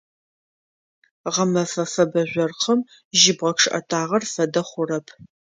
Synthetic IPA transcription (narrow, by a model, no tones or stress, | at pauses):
ʁɐmɐfɐfɐbɐʑʷɐrqʰəm | ʒɪbʁɐkʂʰɨʔɐ̰tʰaːʁɐrfɐdɐχʷʊrɐpʰ